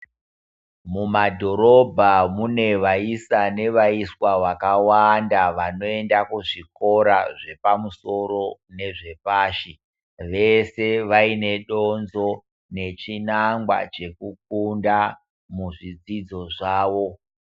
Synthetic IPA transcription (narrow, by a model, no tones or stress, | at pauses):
mumadʱo̞ɾo̞bʱamune̞ʋaisane̞ʋaiswaʋakawandaʋano̞e̞ndakuʐiko̞ɾaʐe̞pamuso̞ɾo̞ne̞ʐepaːʃi | ʋe̞se̞ʋaine̞ɗo̞nzo̞ | ne̞t͡ʃinaŋɡwa̰t͡ʃe̞kuk̚unda | muʐid͡zid͡zo̞ʐaːʋo̞